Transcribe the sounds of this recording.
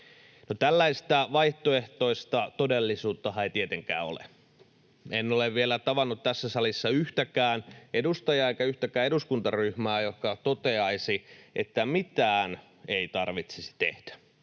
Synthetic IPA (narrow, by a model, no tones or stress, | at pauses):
not̪ælːæist̪æʋɑiht̪oeht̪oist̪ɑt̪odelːisuːt̪ːɑhɑeit̪iet̪eŋkæ̰ːo̰lḛ | enːoleʋʋielæt̪ɑʋɑnːut̪t̪æsːæsɑlisːɑyht̪ækæːnedust̪ɑjɑeikæyht̪ækæːeɾuskunt̪ɑryhmæːjohkɑt̪ot̪eɑisiʔḛt̪ːæmit̪æːn | eit̪ɑrʋit̪sisi̥t̪ḛhd̥æ̥